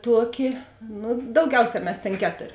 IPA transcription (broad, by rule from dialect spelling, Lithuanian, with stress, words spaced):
ˈtuɔˌkʲɪ ˈnʊ dɐʊˈɡʲɛʊˌsʲɛː ˈmʲɛs tʲeːn ˈkʲæːtoːrʲ